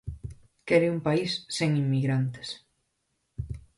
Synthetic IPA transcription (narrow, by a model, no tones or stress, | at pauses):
kɛɾɪumpaisːeŋimːiɣɾant̪e̥s